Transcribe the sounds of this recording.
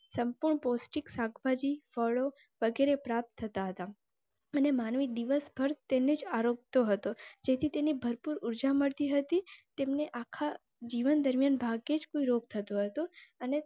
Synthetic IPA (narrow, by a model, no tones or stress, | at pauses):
səmpuɾɳpɔsʈiksaɡʰbad͡ʒifɔɭo | ʋəɡeɾepɾap̚t̪ʰːət̪aɦət̪a | ənemanʋid̪iʋəsbʱəɾt̪ened͡ʒaɾok̚t̪oɦət̪od͡ʒet̪ʰit̪enibʱəɾpuɾuɾd͡ʒaməɭt̪iɦət̪it̪emneʔakʰa | d͡ʒiʋənd̪əɾmjanbʱaɡed͡ʒkoiɾoɡ̚t̪ʰət̪oɦət̪oəne